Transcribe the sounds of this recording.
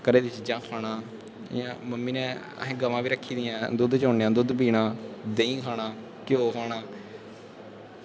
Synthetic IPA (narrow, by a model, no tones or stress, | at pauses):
kəɾeːd̪it͡ʃid͡ʒãːkʰaːɽaː | ɪ̰jãːməmːiːnɛ̃ː | ə̰ɦẽːɡəʋãːbiːɾəkʰːiːd̪ɪjãːd̪ʊd̪t͡ʃoːnːãːd̪ʊd̪piːnaːd̪eːĩːkʰaːɽaː | kjoːkʰaːɽaː